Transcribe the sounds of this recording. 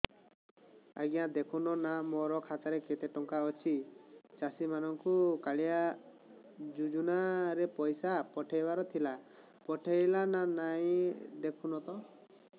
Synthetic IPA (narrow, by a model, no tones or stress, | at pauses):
a̰ɡijãd̪ekʰunɔnamɔɾɔkʰataɾeket̪eʈɔŋkaɔt͡ʃʰit͡ʃasimanɔŋkukaɭia | d͡ʒud͡ʒunaɾepɔjsapɔʈʰejbaɾɔt̪ʰila | pɔʈʰejlananaj̃d̪ekʰunɔt̪ɔ